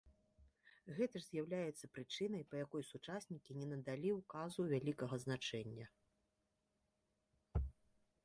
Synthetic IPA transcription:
ɣɛt̪ɐʐzʲjawlʲajɛt̪sːɐ̥pɾɨt͡ʂɨnɐjpɐjakɔjsut͡ʂasʲnʲikʲinʲɛnɐd̪alʲiwkazuvʲalʲikɐɣɐznat͡ʂɛnʲːɐ

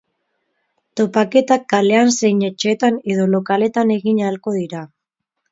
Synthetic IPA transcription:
t̪o̞pake̞t̪akːale̞anse̞jɲet͡ʃet̪ane̞ðo̞lo̞kale̞t̪ane̞ɣiɲalko̞ðiɾa

